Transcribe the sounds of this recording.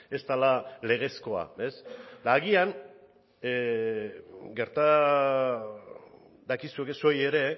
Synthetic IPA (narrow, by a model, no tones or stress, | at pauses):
e̞st̪alale̞ɣ̞e̞sko̞a̰e̞sd̪aːɣian | ɡe̞ɾt̪a | d̪akisuekeso̞je̞ɾe̞